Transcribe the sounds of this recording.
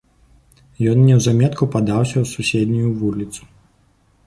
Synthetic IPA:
jɔnnʲɛwzamʲɛt̪kupad̪awsʲɐwsusʲɛd̪ʲnʲujuvulʲit̪su̥

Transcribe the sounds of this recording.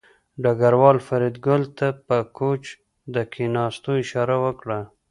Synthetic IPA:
ɖaɡaɾwɑlfaɾid̪ɡʊlt̪apəkot͡ʃ | d̪əkʰenɑst̪oɪʃɑɾawəkɽa

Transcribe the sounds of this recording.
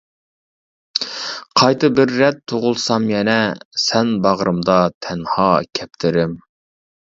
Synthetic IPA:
qʰɑjt̪ɨbɪɾːɛt̪ʰːoʁʊlˠsɑmjɛnɛsɛnbɑʁɾɨmd̪ɑt̪ʰɛnhɑːkʲʰɛp̚t̪ʰɪɾɪm

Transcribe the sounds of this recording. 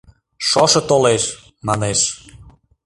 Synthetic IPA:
ʃɔʃɤ̆t̪oleʃ | mɑneʃ

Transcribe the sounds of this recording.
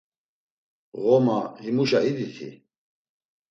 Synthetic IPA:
ɣɔmahimuʃahid̪it̪ʰḭ

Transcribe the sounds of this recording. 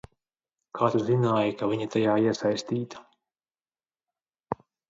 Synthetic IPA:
kʰaːt̪uzinaːjikaviɲat̪ajaːiɛsajst̪iːt̪ḁ

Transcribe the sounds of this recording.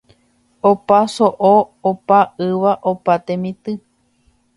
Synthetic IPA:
opasoʔoopaɨʋaʔopat̪ẽmĩt̪ɨ

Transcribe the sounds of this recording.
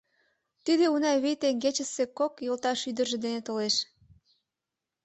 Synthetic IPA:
t̪id̪eunɑjβijt̪eŋɡet͡ɕə̆sekokjolt̪ɑʃyd̪ərʒĕd̪enet̪oleʃ

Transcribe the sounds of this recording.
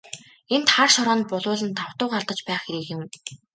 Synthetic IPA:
ent̪χarʃɔɾɔːn̚pʊɮʊːɮə̆nt̪ʰaw̥t̪ʊːɢart̪ə̆t͡ɕpæːχxeɾiːkɪ̆m

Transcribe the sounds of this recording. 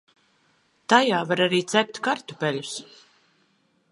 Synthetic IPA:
t̪ajaːvaɾaɾiːt̪sɛp̚t̪ʲkaɾt̪upʲɛlʲus

